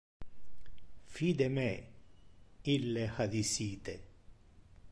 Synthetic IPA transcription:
fiːd̪eme | ilːexad̪isiːt̪e

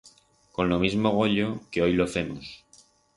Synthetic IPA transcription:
ko̞nlo̞mizmo̞ɣ̞o̞ʎo̞ke̞o̞jlo̞fe̞mos

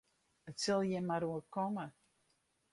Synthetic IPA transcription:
ətsəlˠjɛmaɾuəkɔmə

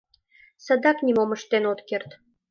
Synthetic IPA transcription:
səd̪ɑknʲimoməʃt̪enot̪kert̪

